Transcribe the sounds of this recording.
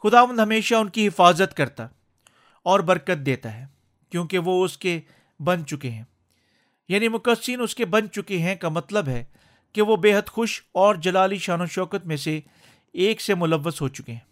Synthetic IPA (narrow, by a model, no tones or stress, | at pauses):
xʊd̪aːʋə̃nd̪ʱɦɐmeːʃaʊnkiɦɪfaːzət̪kɐɾt̪a | ɔːɾbɐɾkət̪̚d̪eːt̪aɦɛː | kjõːkeʋoʊske | bɐnt͡ʃʊkeɦɛ̃ː | jaːnimʊkəsːinʊskebɐnt͡ʃʊkeɦɛ̃kamɐt̪ləbɦɛː | keʋobeːɦəd̪xʊʃɔːɾd͡ʒɐlaːliʃaːnõʃɔːkət̪mẽse | eːksemʊləʋːəzɦoːt͡ʃʊ̥keɦɛ̃ː